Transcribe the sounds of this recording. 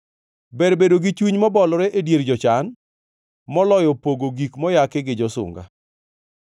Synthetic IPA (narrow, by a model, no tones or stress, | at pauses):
bɛɾbedoɡit͡ʃwiɲmɔbɔlɾɛʔedjeɾd͡ʒɔt͡ʃan | mɔlɔjɔpoɡoɡikmɔjakɪɡɪd͡ʒɔsʊ̰ŋɡa̰